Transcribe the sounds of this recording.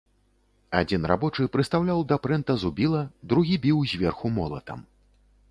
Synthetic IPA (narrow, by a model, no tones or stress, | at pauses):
ad͡zʲinra̰bɔt͡ʂɨpɾɨst̪awlʲawd̪ɐpɾɛnt̪ɐzubʲilˠɐd̪ɾuɣʲibʲiwzʲvʲɛrxumɔlˠɐ̰t̪ɐ̰m